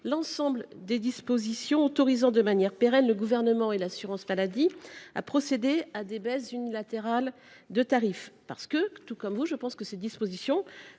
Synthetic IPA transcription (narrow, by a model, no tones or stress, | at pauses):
lɑ̃sɑ̃bld̪ed̪ispozisjɔ̃ot̪ɔʁizɑ̃d̪əmanjɛʁpeʁɛnləɡuvɛʁnəmɑ̃elasyʁɑ̃smalad̪ia̰pχɔsed̪ead̪ebɛszynilat̪eʁal | d̪ət̪aʁifpa̰ʁsə̥kət̪ukɔmvuʒəpɑ̃skəsɛt̪̚d̪ispozisjɔ̃